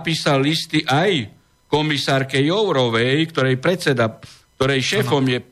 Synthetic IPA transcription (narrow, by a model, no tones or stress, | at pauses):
piːsalːist̪iʔaj | kɔmisaːɾkɛjɔʊɾɔʋɛjkt̪ɔɾɛjpɾɛt̪sɛd̪ak̚t̪ɔɾɛjʃɛːfɔmjɛ